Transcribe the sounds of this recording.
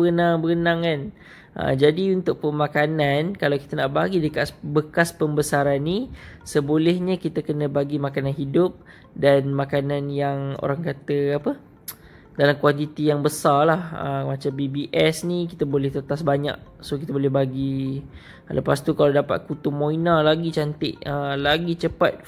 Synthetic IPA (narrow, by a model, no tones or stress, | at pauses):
bəɡənaŋbəɡənaŋan | ʔə̰d͡ʒadiunt̪ʊk̚pəmakanankalawki̥t̪ənaʔbaɡidəkabəkaspəmbəsaɾanːisəbolɛhɲə̃kit̪əkənə̃baɡimakananɦidʊp̚ | danmakananjaŋo̰ɾaŋkat̪əapə | dalamkwant̪it̪ijaŋbəsarlahə̰mat͡ʃambibiʔɛsnikit̪əbolɛht̪ət̪asbaɲa̰ʔ̚sohkit̪əbolɛhɦbaɡi | lə̰past̪ukalawdapa̰t̪̚kut̪umõinalaɡit͡ʃant̪ɪʔəlaɡit͡ʃəpa̰t̪̚